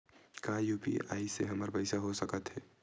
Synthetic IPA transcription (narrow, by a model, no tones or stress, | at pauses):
kajupḭa̰ːiseɦəməɾpəɪsaɦosəkət̪ɦɛː